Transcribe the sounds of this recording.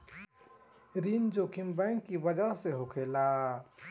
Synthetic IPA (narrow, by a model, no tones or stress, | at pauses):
ɾind͡ʒoːkʰimbɛŋkːibəd͡ʒəɦseɦokʰela